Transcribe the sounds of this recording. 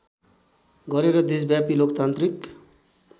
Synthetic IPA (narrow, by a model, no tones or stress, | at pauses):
ɡʌɾeɾʌd̪esbjapilokt̪ant̪ɾik